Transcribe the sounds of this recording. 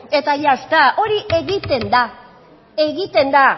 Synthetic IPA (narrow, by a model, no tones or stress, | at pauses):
e̞t̪ajast̪aʔo̞ɾiʔe̞ɣit̪e̞nd̪a | e̞ɣit̪e̞nd̪a